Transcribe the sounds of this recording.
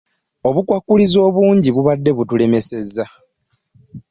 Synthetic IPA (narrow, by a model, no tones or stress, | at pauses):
o̞βukwakːulizo̞ːβuːɲɟiβuβadːe̞βutule̞me̞se̞zːa